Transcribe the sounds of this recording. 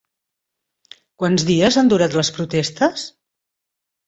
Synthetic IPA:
kwanzðiəzand̪uɾat̪ləspɾut̪ɛst̪əs

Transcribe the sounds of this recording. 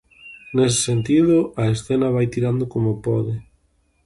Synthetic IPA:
nes̬ɪ̥sent̪iðʊɐesθenɐβ̞ajt̪iɾand̪ʊkomopɔðɪ

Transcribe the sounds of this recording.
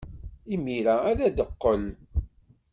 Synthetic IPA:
imːiɾææðæd̪əqːəl

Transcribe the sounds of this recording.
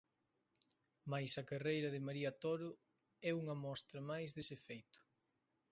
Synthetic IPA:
majsɐkarejɾɐðɪmaɾiɐt̪ɔɾʊ | ɛuŋɐmɔst̪ɾɐmajzðesefejt̪ʊ̥

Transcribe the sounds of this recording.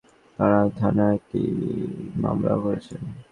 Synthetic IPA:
t̪aɾat̪ʰanaɛk̚ʈi | ma̰mlaɦoɾet͡ɕʰen

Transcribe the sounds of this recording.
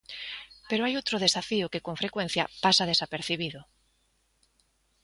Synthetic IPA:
peɾoajowt̪ɾoð̞esafiʊkekoɱfɾekwẽn̟θja̰pasað̞esapeɾθiβ̞iðʊ

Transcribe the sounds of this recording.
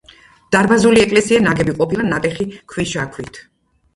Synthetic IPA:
d̪̥aɾbazuliɛkʼlɛsianaɡɛbiqʼɔpʰilˠanat̪ʼɛχikʰwiʃakʰwit̪ʰ

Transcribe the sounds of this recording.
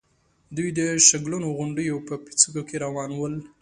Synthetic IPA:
d̪ujd̪əʃaɡlunoɣʊɳɖəjopəpi̥t͡suɡokeɾawɑnwəl

